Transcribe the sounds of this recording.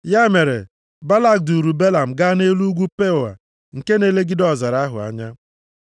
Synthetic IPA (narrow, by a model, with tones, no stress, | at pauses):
ja˦me˨ɾḛ˨ | ba˦la˦˨k̚du˨ɾu˨be˦la˨m̩˨ɡa˦ne˦lu˦ɡʷu˦pe˦ʊ˨a̰˨ | ŋ̩˨ke˦ne˨˦le˦ɡɪ˦dɔ˨za˨ɾa˦ɦʊ̰˨a̰˨ɲa˦